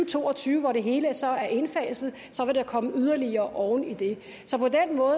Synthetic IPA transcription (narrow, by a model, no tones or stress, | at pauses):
t͡sʰo̝̰ːɒ̽t͡sʰyːʊəʋɒɾe̝ɦe̝ːləsɒ̽æɐʔe̝nfɛ̰ːsð̩ˠ | sɒ̽ʋe̝ɾ̥ɑkʰɒ̽məyð̞ˠɐliɐːʔɒʊnid̥e̝ | sɒ̽pɒ̽denmɔ̽ː